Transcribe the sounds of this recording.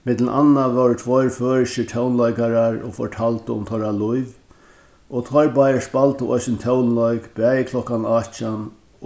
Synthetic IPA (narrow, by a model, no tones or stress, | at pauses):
mɪt̪ləʔa̰nːaʋɛɹt̪ʰvɔjɹføːɹʃɪʈʰɛwnlɔjkaɾaɹɔ̰fɔ̰ɹʈʰalt̪əʊ̰mt̪ʰɔɾalʊjv | ɔt̪ʰɔjɹbajəspalt̪əʔɔ̰jsɪnt̪ʰœwnlɔʏkbɛːjɪkʰlɔhkanat͡ʃan